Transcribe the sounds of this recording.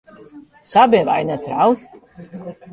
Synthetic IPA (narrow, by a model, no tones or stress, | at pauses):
sabʲɛva̰jnat̪ɾawt̪ʲ